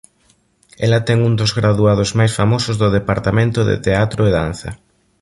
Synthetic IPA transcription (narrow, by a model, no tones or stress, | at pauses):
ɛlɐt̪ɛŋund̪ozɣɾaðuaðozmajsfamosʊzðʊðepaɾt̪amẽnt̪ʊðḛt̪eat̪ɾʊeðan̟θɐ̰